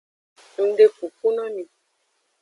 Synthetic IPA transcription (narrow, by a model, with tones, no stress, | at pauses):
u˨n˦de˦ku˨pu˦nɔ˦ni˨